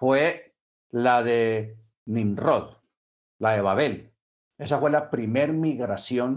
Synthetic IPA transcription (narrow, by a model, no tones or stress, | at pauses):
fwe | laðe | nĩnroð | laðe̞βaβe̞l | e̞safwe̞lapɾimeɾmiɣɾasjo̞n